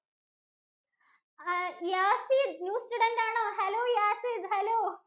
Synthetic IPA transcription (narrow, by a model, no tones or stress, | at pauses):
jaːsid̪njuːsʈuːɖeɳʈaːɳõːɦɛloːjaːsiːd̪ɦɛloː